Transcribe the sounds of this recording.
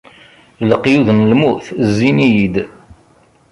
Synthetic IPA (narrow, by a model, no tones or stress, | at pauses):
ələqːjuðnlmuθzːinijid̪